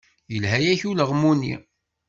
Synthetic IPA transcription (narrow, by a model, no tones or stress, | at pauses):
jəlhæjæçuləʁmunːḭ